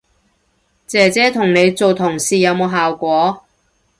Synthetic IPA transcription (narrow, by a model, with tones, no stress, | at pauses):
t͡sɛː˨t͡sɛː˨˥t̪ʰʊ˨˩ŋne˨˧jt͡so˨wt̪ʰʊ˨˩ŋsiː˨jɐ˨˧wmo˨˧wɦaː˨wkʷɔː˨˥